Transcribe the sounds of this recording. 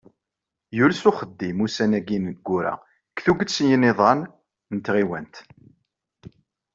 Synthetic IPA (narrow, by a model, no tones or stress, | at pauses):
julsʊχəd̪ːimusænæɡinɡːʊɾæ̰ | kθuɡəsjənɪðˤɑn | nət̪ʁiwənt̪